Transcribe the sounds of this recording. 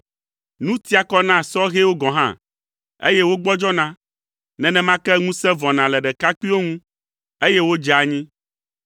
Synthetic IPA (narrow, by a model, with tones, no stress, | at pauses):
nũ˦t̪i˦a˨kɔ˦nã˦˨sɔ˦ɣe˦wo˦ɡɔ̃˨ɦã̰˦˨ | ḛ˦jɛ˦wo˦ɡ͡bɔ˦d͡ʒɔ˦nã˦ | nɛ̃˨nɛ̃˦mã˦kɛ˦ŋũ˦sɛ̃˦vɔ˨nã˨lɛ˨ɖɛ˨ka˦k͡pi˦wo˦ŋũ˦ | e˦jɛ˦wo˦d͡ʒa˨ɲĩ˦